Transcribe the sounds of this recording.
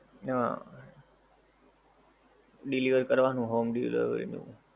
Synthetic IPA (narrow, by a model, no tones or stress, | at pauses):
a | ɖɪliʋəɾkəɾʋanũɦoːmɖilḭʋə̰ɾḭnṵ̃ː